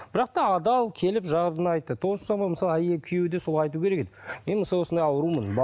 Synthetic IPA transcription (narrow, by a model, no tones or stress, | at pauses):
bɪɾɑq̚t̪ɑːd̪ɑlˠkʲʰe̞lɪpʒɑʁəɾənɑjt̪ːət̪ʰo̞sə̥sɑmɑməsɑlˠæjekʲʰʏjewɪd̪esolˠɑjt̪ukʲʰee̞kʲed̪ɪme̞nməsɑlˠwo̞sənd̪ɑjɑwəɾumənb